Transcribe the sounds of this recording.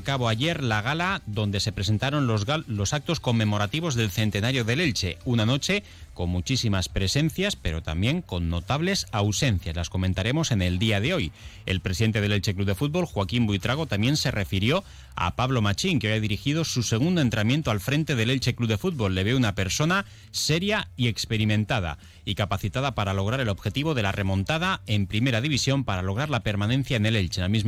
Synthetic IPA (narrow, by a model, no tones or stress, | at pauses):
kaβoaʝe̞ɾlaɣ̞alaðo̞nd̪e̞se̞pɾe̞s̬e̞nt̪aɾo̞nlo̞sak̚t̪o̞sko̞mːẽ̞mo̞ɾat̪iβ̞o̞zðe̞lθe̞nt̪e̞naɾjo̞ðe̞le̞lt͡ʃe̞unano̞t͡ʃe̞ | ko̞nmut͡ʃisimaspɾe̞se̞n̟θjaspe̞ɾo̞t̪a̰mbje̞ŋko̞nːo̞t̪aβle̞sawse̞nθjaslasko̞mẽ̞nt̪aɾe̞mo̞se̞ne̞ld̪iaðe̞o̞je̞̰lpɾesiðe̞nt̪eðelelt͡ʃe̞kluβðe̞fut̪̚βo̞lxwakimbwuijt̪ɾaɣ̞o̞t̪amjẽ̞nse̞re̞fiɾjo̞ | a̰paβlo̞mat͡ʃiŋkeojaðiɾixið̞o̞suse̞ɣ̞und̪oe̞nt̪ɾamje̞nt̪o̞alfɾẽ̞nt̪e̞ðe̞lelt͡ʃe̞kluβðe̞fut̪̚bo̞lːe̞βeunape̞ɾso̞na | se̞ɾjaie̞kspe̞ɾimẽ̞nt̪að̞a̰ | ikapaθit̪aðapaɾalo̞ɣ̞ɾaɾe̞lo̞βxe̞t̪iβ̞o̞ðe̞larʔe̞mõ̞nt̪að̞ae̞mpɾime̞ɾaðiβ̞isjo̞mpaɾalo̞ɣ̞ɾaɾlape̞ɾmanẽ̞n̟θjaene̞lelt͡ʃenamiz